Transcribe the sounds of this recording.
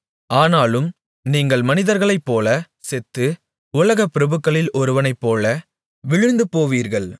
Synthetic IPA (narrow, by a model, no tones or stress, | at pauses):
ʔaːnaːlɯm | niːŋɡɐɭmɐnɪðɐɾɣɐɭɐɪpːoːlɐ | sɛt̪ːɯ | ʊlɐɣɐpːɪɾɐbɯkːɐɭɪlɔɾɯʋɐnɐɪpːoːlɐ | ʋɪɻɯnd̪ɯpoːʋiːɾɣɐɭ